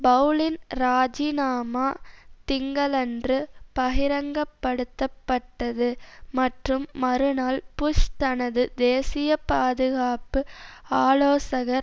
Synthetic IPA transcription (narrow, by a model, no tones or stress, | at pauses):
bɐlɪnɾaːd͡ʒinaːmaːt̪ɪŋɡɐlɛndrɯpɐɣɪɾɐŋɡɐpːɐɽɯt̪ːɐpːɐʈːɐðɯmɐʈrɯmːɐɾɯnaːlpʊʂt̪ɐnɐðɯd̪eːsɪjɐpaːðɯɣaːpɯaːloːsɐɣɐɾ